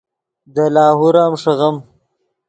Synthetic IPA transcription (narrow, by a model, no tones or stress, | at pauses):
d̪əlɑːɦuɾaːmʂɐɣɐm